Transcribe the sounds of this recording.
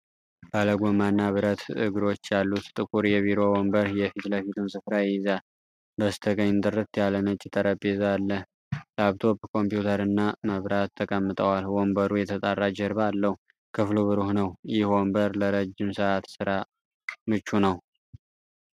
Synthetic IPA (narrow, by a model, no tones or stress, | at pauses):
baləɡʷomanːaβɨɾət̪ɨ̰ɡɨɾo̞t͡ʃːjalːut̪t̪ʼɨkʼuɾjɛβiɾo̞wombəɾjɛfit̪ləfit̪ʰunsɨfɾajɪza | bəst̪ʰəɡəɲːnt̪ʼɨɾɨt̪jalːənət͡ʃʼːɪt̪ʼəɾəbezalːəh | laβt̪ʰo̞bkʰo̞mpjut̪ʰəɾɨnːaməβɾat̪ʰːəkʼəmːɨt̪ʼəwalwombəɾujɛt̪ʰət̪ʼarːad͡ʒɛɾβalːəhu | kʰɨfluβɨɾuhnəwjɪhwombəɾləɾəd͡ʒːɪmsɨʔat̪sɨɾa | mɨt͡ʃːunəw